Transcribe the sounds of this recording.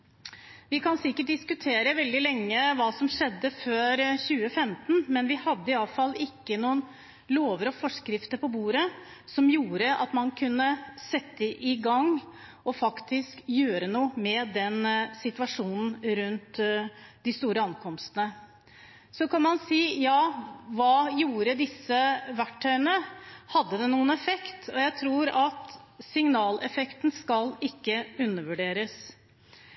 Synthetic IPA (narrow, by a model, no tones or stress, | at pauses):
ʋɪkɑnsɪkːəʈ̚d̪ɪskʉt̪ʰeːɾəʋɛld̪ɪlɛŋːəʋɑːsɔmʂɛd̪ːəføːɾçʉːəfɛmt̪nmɛnʋɪhɑd̪ːəɪɑləfɑlːɪkːənuːən | loːʋəɾɔfɔʂkɾɪft̪əɾpɔbuːɾə | sɔmjuːɾəʔɑ̰t̪mɑnkʰʉnːəsɛt̪ːəʔɪɡɑŋ | ʔɔfɑkt̪ʰɪskjøːɾənuːəmɛd̪ɛnsɪt̪ʋɑʂuːnn̩ɾʉnt̪d̪ɪst̪uːɾəɑnkʰɔmst̪ənə | sɔkʰɑnmɑnsiːjɑːʋɑːjuːɾəd̪ɪsːəʋæʈʰːœʏənəhɑd̪ːəd̪ɛnuːənɛfɛkt̪ʰɔjæɪt̪ʰɾuːɾɑt̪sɪŋnɑːlɛfɛkt̪nskɑlɪkːəʉnːəʋʉɖeːɾəs